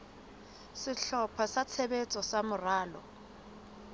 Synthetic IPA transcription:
sɪɬɔpʰɔsat͡sʰebet͡sʼɔsamʊraːlɔ̰

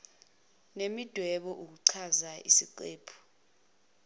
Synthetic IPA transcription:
nemid̥ʱwɛɓɔʔuk̬uǀʰazaḭsiǃeːpʰu̥

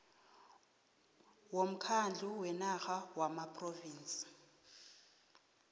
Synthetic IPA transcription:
wom̩kʰand͡ɮʱuwɛnaɣawamapʼroviːnt͡sʼi̥

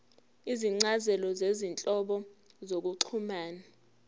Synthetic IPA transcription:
iziŋ͡ǀazɛlɔzezint͡ɬʼɔɓɔ | zok̬uǀʰumaːna

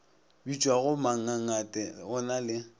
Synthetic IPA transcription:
bit͡ʃʼwaɣʊmaŋ̩aŋ̩atʼɛɣʊnalɪ

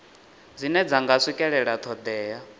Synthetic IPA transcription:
d͡zinɛd͡zaŋɡasʷikʼɛɺɛɺat̪ʰɔd̪ɛːja

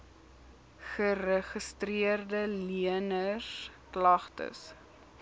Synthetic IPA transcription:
χərəχəstriərdəliənəsklɐχtə̰s

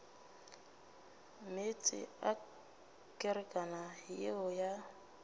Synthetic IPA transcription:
met͡sʼɪ̰a | kʼɪɾɪkʼanajeʊja

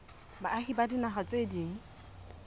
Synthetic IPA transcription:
baaχibadinaχat͡sʼediŋ̩

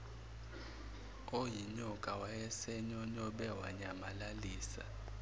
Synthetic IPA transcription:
ojiɲɔkʼawajɛsɛɲɔɲɔɓɛwa̰ɲamalaliːsa̰

